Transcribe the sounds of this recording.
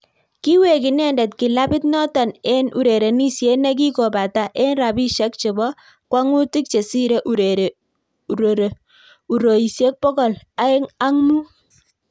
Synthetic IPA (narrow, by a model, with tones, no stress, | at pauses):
ki˦we˨ki˨nɛ˦˨ndɛ˨tkɪ˨la˦pɪ˦tnɔ˦tɔ˨ne˦nu˨ɾe˨ɾe˨ni˦sje˦nɛ˦k̬i˦ko˨ba˨ta˨ʔe˦nɾa˨bi˦ʃɛ˦k̚t͡ʃe˨bɔ˦ | kwa˦ŋu˦ti˦k̚t͡ʃe˨si˦ɾe˦ʔ | u˨ɾo˨i˨sje˦k̚pɔ˦kɔ˨l | a˨˦e˦ŋa˦ŋmu˦